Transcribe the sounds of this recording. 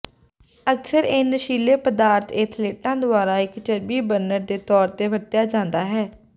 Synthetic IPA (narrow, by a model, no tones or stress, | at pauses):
əksəɾɪnʃiːleːpəd̪aːɾt̪ʰeːt̪ʰleːʈãːd̪ʊaːɾaːɪkt͡ʃəɾbiːbəɾnəɾd̪eːt̪ɔːɾt̪eːʋət̪jaːd͡ʒãːnd̪aːɦɛː